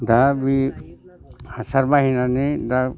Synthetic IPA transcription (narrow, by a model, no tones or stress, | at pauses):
d̪abi | asaɾbaɦinanid̪a